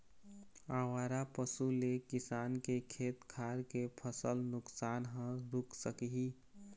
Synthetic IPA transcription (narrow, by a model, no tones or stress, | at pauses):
aːwaːɾapəsulekɪsaːnkekʰeːt̪kʰaːɾkepʰəsəlnʊksaːnɦə̃ɾʊkʰsəkiɦi